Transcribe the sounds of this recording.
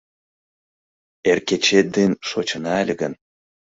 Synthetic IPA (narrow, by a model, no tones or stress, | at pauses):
erkʲet͡ɕet̪̚d̪enʃot͡ɕə̆nɑælʲɡən